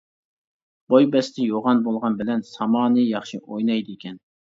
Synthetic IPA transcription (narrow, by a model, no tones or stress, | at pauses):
b̥ojbɛst̪ʰɪjoʁɑnbolˠʁɑnbɪlɛnsɑmɑːnɨjɑχʃiʔojnɑjd̪ɨikʲɛn